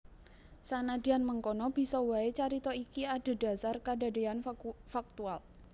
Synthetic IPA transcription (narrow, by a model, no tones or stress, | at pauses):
sanadi̤anməŋkɔnɔb̥i̤sɔwaet͡ʃaɾit̪ɔikiad̥a̤da̤sarkada̤deanfak̚t̪ual